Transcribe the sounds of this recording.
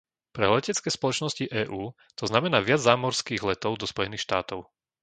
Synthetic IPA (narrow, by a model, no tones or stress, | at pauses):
pɾɛ̰lɛcɛt͡skɛːspɔlɔt͡ʃnɔsciʔɛːʔuː | t̪ɔznamɛnaːʋɪad͡zzaːmɔɾskiːɣlɛt̪ɔʊd̪ɔspɔjɛniːxʃt̪aːt̪ɔʊ